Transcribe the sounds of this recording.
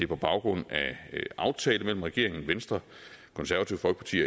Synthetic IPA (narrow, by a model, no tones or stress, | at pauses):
e̝ɐpʰɒ̽b̥ɑ̈ʊɡ̥ʁɔ̽n̰æʔɑ̈ʊt͡sʰɛːləmel̰m̩ʁɛɡ̥e̝ɐ̰e̝ŋn̩ʋensd̥ʁɐ | kʰɔ̽nsæɐʋæt͡sʰḭʊfɒ̽lɡ̥ʰɑ̈t͡sʰḭː